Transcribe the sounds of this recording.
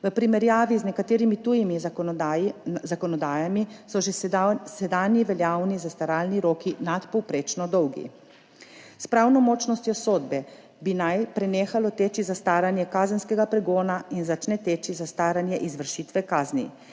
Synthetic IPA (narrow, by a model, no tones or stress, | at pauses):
ʋəpɾimɛɾjaːʋiznɛkat̪eːɾimit̪ujimi | zakɔnɔd̪aːjamisɔʒsɛd̪aːnjiʋɛljaːwnizast̪aɾaːlniɾoːkinat̪pɔwpɾeːt͡ʃnɔd̪ɔwɡḭ | spɾawnɔmɔːt͡ʃnɔst̪jɔsoːd̪bɛ | binajpɾɛneːxalɔt̪eːt͡ʃizast̪aːɾanjɛkaːzənskɛɡapɾɛɡoːnainzat͡ʃnɛt̪eːt͡ʃizast̪aːɾanjɛʔizʋəɾʃiːt̪ʋɛkaːznḭ